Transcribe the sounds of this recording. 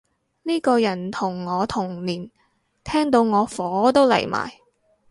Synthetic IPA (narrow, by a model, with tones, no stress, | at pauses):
niː˥kɔː˧jɐ˨˩nt̪ʰʊ˨˩ŋːɔː˨˧t̪ʰʊ˨˩ŋliː˨˩n | t̪ʰɛː˥ŋt̪o˧wŋɔː˨˧fɔː˨˦t̪o˥wlɐ̰˨˩jma̰ː˨˩j